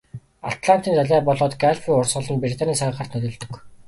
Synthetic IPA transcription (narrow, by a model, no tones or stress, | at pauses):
a̰t̪ɮan̥t̪iːnt͡s̪aɮæːpɔɮɔːt̪ɡaɮfiʊrsʁɞ̆ɮɞ̆npɾʲit̪ʰaniːsaʁə̆χə̆rt̪nɵt̪ɵ̆ːɮt̪ɵ̥̆k